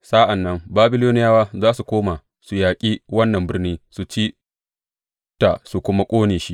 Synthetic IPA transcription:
sa˦ʔa˨nːɐ˦mbaː˦bɪ˦loː˦nɪ˦jaː˦waː˦zaː˦su˨kʷoː˦ma˨ | su˨jaː˨kʲʼiː˦wɐ˦nːɐ˨mbɪ˦rniː˦su˨t͡ʃiː˦ | ta˨su˨kʷʊ˦ma˦kʷʼoː˦neː˨ʃi˦ʔ

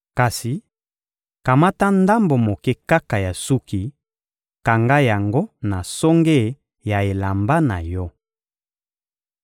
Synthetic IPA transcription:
ka˨si˨ | ka˨ma˦ta˦nda˦mbo˨mo˨kɛ˦ka˦ka˨ja˨su˦ki˨ | ka˨ŋɡa˦ja˨ŋɡo˦na˨sɔ˦ŋɡe˦˨ | ja˨e˨la˨mba˦na˨jɔ˦

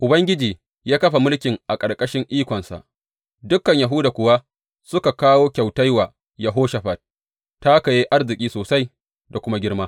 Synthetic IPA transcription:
ʔʊ˨bɐ˦ŋɡʲɪ˦d͡ʒiː˨ | jaː˦kɐ˦ɸa˨mʊ˦lkʲɪ˨ŋʔa˨kʼɐ˨ɽkʼɐ˦ʃɪ˦ŋʔiː˦kʷɔ˨nsa̰˨ʔ | dʊ˦kːɐ˨ɲja˨ɦʊ˦da˨kʷʊ˨wa˦ | sʊ˦ka˨kaː˦woː˦kʲa˨wta˦jwaː˨ | jɐ˨ɦoː˦ʃa˨ɸa˨d̚ː | a˦ka˨je˦ʔa˦ɽzɪ˨kʲʼiː˦soː˨sa˦j | da˨kʷʊ˦ma˦ɡʲɪ˦ɽmaː˦

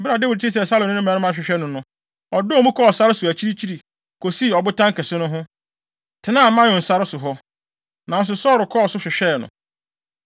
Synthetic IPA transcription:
bɪ˦ɾa˨dwi˨tʰi˦s̬ɛ˨sa˦lnɪ̃˦ɪ̃˦mã˨˦nʊ̃˦mã˦ɕᶣɪ˨ɕᶣɛ˦nʊ̃˨nʊ̃˦ | ɔ˨dʊ˦ɔ˨mũ˦kʰɔ˦ɔ˨sa˦ɾɪ˦sʊ˨æ˨t͡ɕʰi˦ɾi˦t͡ɕʰi˦ɾi˨ | kʰo˨si˦˨ɔ˨bʊ˦tʰã˦ŋ˦kʰɛ˨sɪ˦nʊ̃˦ɦʊ̃˦ | tʰɪ˨nãː˦˨˦mã˦jʊ̃˨n̩˨sa˦ɾɪ˦sʊ˨ɦɔ˦ | nã˨nɔ˨˦s̬ʊ˨sɔ˦ɾʊ˨kʰɔ˦ɔ˨sʊ˦ɕᶣɪ˨ɕᶣɛ˦˨nʊ̰̃˨

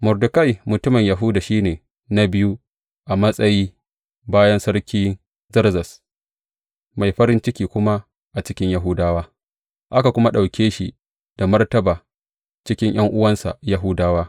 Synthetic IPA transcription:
mʊ˨ɾdʊ˨ka˦jmʊ˨tʊ˦mɪ˨ɲjɐ˨ɦʊ˦daː˨ʃiː˦neː˨ | na˦bɪ˦ju˦ | ʔa˨mɐ˦sʼɐ˦jiː˦ | baː˦jɐ˦nsɐ˦ɽkʲiː˦ | zɐ˦rzɐ˨s | ma˨jɸɐ˦ɾɪ˦nt͡ʃɪ˦kʲiː˨kʷʊ˦ma˦ | ʔa˨t͡ʃɪ˦kʲɪ˦ɲja˦ɦʊ˦daː˦waː˦ | ʔa˦ka˨kʷʊ˦ma˦ɗa˨wkʲeː˦ʃi˨ | d̥a˨mɐ˦rtɐ˦baː˨ | t͡ʃɪ˦kʲɪ˦ŋj̰ɐ˦ŋʔʊ˦wɐ˦nsa̰˨jɐ˦ɦʊ˦daː˦waː˦

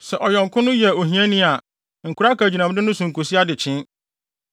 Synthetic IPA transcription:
sɛ˨ʔɔ˨jɔ̃˨ŋ˨kʰʊ̃˦nʊ̃˦jɛ˨o˨ɦĩ˨æ̃˦nĩ˦a˨ | ŋ̩˨kʰʊ˨ɾa˦ka˨d͡ʑi˨nã˨m˦dɪ̃˦nʊ̃˦sũ˨ŋ̩˨ko˨si˦a˦dɪ˨t͡ɕʰɪ̃˦n

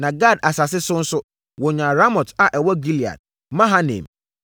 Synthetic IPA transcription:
nã˨ɡa˦˨da˨sa˨s̬ɪ˦sʊ˦n̩˦sʊ˦ | wɔ˨ɲã˨ɾa˦mɔ˨ta˨ʔɛ˨wɔ˦ɡi˦li˨a̰˨d̚ | mã˦ɦa˦nɛ̰̃˨m

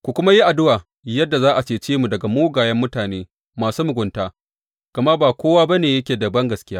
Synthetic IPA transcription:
kʷu˨kʷʊ˦ma˦ji˦ʔa˨dʊ˦waː˨ | jɐ˦dːa˨zaː˦ʔa˨t͡ʃeː˦˨t͡ʃeː˦mu˨dɐ˨ɡa˨moː˦ɡaː˨jɐ˦mːʊ˦taː˨neː˦ | maː˨suː˦mʊ˨ɡʷʊ˦ntaː˦ | ɡ̥ɐ˨ma˦baː˨kʷoː˦waː˦ba˦neː˨jɐ˦kʲeː˨dɐ˨bɐ˦ŋɡɐ˨skʲɪ˦jaː˦

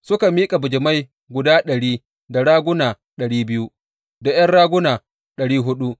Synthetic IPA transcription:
sʊ˦ka˨miː˦kʼa˨bʊ˨d͡ʒɪ˨ma˦j | ɡʷʊ˨daː˦ɗɐ˨ɽiː˦ | da˨ɽaː˦ɡʷʊ˦naː˨ | ɗɐ˨ɽiː˦bɪ˦ju˦ | da˨j̰ɐ˦nɽaː˦ɡʷʊ˦naː˨ | ɗɐ˨ɽiː˦ɦʊ˦ɗu˦

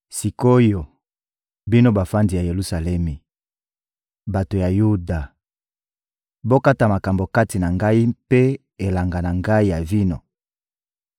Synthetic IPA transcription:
si˨ko˦jo˨ | bi˦no˦ba˨fa˦ndi˨ja˨je˨lu˦sa˨lɛ˦mi˨ | ba˨to˨ja˨ju˦da˨ | bo˦ka˦ta˨ma˨ka˨mbo˨ka˦ti˨na˨ŋɡa˦i˦pe˦ | e˨la˨ŋɡa˨na˨ŋɡa˦i˦ja˨vi˦no̰˨

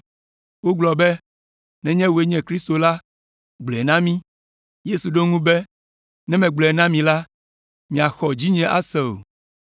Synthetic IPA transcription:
wo˦ɡ͡blɔ˨bɛ˦ | nɛ̃˦ɲɛ̃˦wo˨e˦ɲɛ̃˨kɾi˦st̪o˨la˦ | ɡ͡blɔ˨ɛ˨nã˦mĩ˦ | je˦su˨ɖo˦ŋũ˦bɛ˦ | nɛ̃˦mɛ̃˨ɡ͡blɔ˨ɛ˨nã˦mĩ˨la˦ | mĩ˨a˨xɔ˨d͡ʑi˦ɲɛ̃˦ʔa˦sɛ˨o̰˨

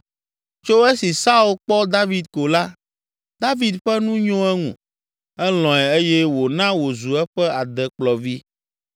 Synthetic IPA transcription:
t͡ʃo˦e˦si˨sa˦u˦lk͡pɔ˦d̪a˦vi˨d̪̚ko˨la˦ | d̪a˦vi˨d̪ɸɛ˦nũ˦ɲɔ̃˦ɛ˦ŋṵ̃˨ | ɛ˦l̃ɔ̃˨ɛ˨e˦jɛ˦wo˨nã˦wo˨zu˨ɛ˦ɸɛ˦a˨d̪ɛ˨k͡plɔ˨vi˦

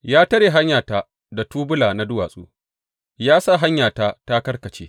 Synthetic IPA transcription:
jaː˦tɐ˦ɾeː˨ɦa˦ɲjaː˨taː˦ | da˨tuː˦bʊ˦laː˨na˦dʊ˦wa̰ː˨sʼṵː˦ | jaː˦sa˦˨ɦa˦ɲjaː˨taː˦ta˦kɐ˦rkɐ˨t͡ʃḛː˦

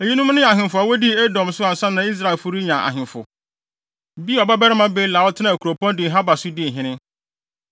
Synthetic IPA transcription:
e˨ji˦nʊ̃˦mnɪ̃˦a˨ɦɪ̃˨n˨fʊ˨a˨wo˦di˦e˦dɔ̃˨msʊ˦a˨n˨sã˦nːã˨i˦s̬ɾa˦˨e˨lfʊ˦ɾi˦ɲã˨ʔa̰˨ɦɪ̃˨fʊ̰˨ | bi˦˨ɔ˨bɛ˦bɛ˦ɾɪ˦mã˦be˦la˨ɔ˦tʰɪ˦nã˨kʰu˨ɾo˨pɔ̃˦ndɪ̃˨ɦa˦ba˨sʊ˦dɪ˦e˨ɦɪ̃˦nɪ̃˦

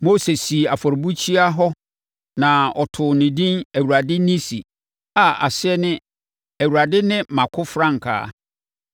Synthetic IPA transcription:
mo˦se˨si˨a˨fɔ˨ɾbu˦t͡ɕʰi˦a˦ɦɔ˦ | nã˨ɔ˨tʰʊ˨nɪ̃˨dĩ˦næ˨wu˨ɾa˨dɪ˦nĩ˦si˨ | a˨a̰˨sɪ˦ɛ˦nɪ̃˦ | æ˨wu˨ɾa˨dɪ˦nɪ̃˦mã˨kʰʊ˦fɾã˦˨ŋ̩˨kʰa̰ː˨˦

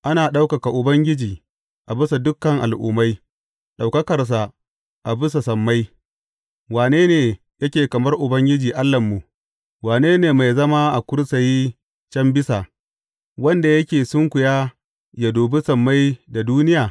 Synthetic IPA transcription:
ʔa˦naː˨ɗa˦wkɐ˨ka˨ʔʊ˨bɐ˦ŋɡʲɪ˦d͡ʒiː˨ | ʔa˨bɪ˦sa˨dʊ˦kːɐ˨ŋʔa̰˨lʔṵː˨ma˦j | ɗa˨wkɐ˦kɐ˨rs̬a˨ | ʔa˨bɪ˦s̬a˨sɐ˨mːa˦j | waː˨neː˦neː˨ | jɐ˦kʲeː˨kɐ˨mɐ˦rʔʊ˨bɐ˦ŋɡʲɪ˦d͡ʒiː˨ʔa˦lːɐ˨mːu˨ | waː˨neː˦neː˨ma˨jzɐ˦ma˦ʔa˨kʷʊ˦ɾsa˨ji˦ | t͡ʃɐ˦mbɪ˦sa˨ | wɐ˦nda˨jɐ˦kʲeː˨sʊ˦ŋkʷʊ˨jaː˦ | ja˨doː˨be˦sɐ˨mːa˦jda˨duː˦nɪ˦jaː˨

